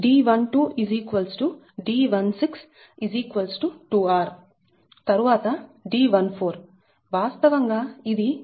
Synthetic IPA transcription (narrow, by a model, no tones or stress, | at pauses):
ɖiːʋɐnʈuːʔiziːkʋɐlsʈu | ɖiːʋɐnsiks | iziːkʋɐlsʈuʈuːaːɾ | t̪ɐɾuʋaːt̪ɐɖiːʋɐnpʰoːɾ | ʋaːst̪ɐʋɐŋɡaːid̪i